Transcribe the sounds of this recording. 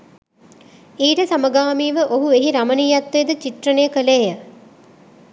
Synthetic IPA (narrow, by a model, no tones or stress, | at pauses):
iːʈəsaməɡaːmiːʋəʔoɦueɦiɾamənijat̪ːejd̪ət͡ʃit̪rənejəkəleːjə